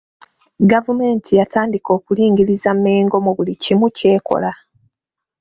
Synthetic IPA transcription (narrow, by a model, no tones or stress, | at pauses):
ɡavume̞ːntʰijataːndiko̞ːkuliːŋɡiɾizammeːŋɡo̞muβulicimuce̞ːko̞̰la